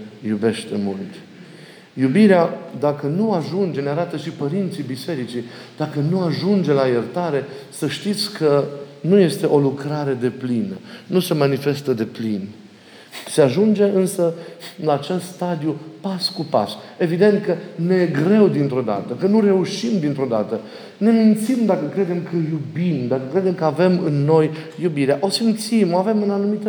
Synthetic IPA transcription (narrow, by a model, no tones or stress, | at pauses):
jube̞ʃt̪e̞mult̪ | jubiɾead̪akənuaʒund͡ʒe̞neaɾat̪əʃipəɾint̪sibise̞ɾit͡ʃi | d̪akənuaʒund͡ʒe̞lajert̪aɾe̞səʃt̪it̪sʲkʰənuje̞st̪e̞ʔo̞lukɾaɾe̞d̪e̞plinənusemanife̞st̪əd̪e̞plin | se̞aʒund͡ʒe̞ɨnsəlaːt͡ʃest̪st̪ad̪ijupaskupa̰se̞vid̪e̞nt̪̚kəne̞ɡɾe̞wd̪int̪ɾo̞d̪a̰t̪əkənuɾe̞uʃimd̪int̪ɾod̪a̰t̪ə | ne̞mint̪simd̪akəkɾe̞d̪e̞mkʰəjubimd̪akəkɾe̞d̪e̞mkəave̞mɨnːo̞jjubiɾeaʔo̞simt̪simoave̞mɨnanumit̪ə